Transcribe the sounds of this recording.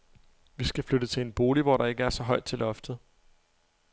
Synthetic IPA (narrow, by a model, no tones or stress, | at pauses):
ʋisɡ̥æflød̥ət͡sʰe̝enb̥o̝ːliʋɒ̰ɾɑ̈e̝ɡ̥əæɐsɒ̽ɦɒ̽ɪd̥̚t͡sʰe̝lʔɒ̽fd̥ð̩ˠ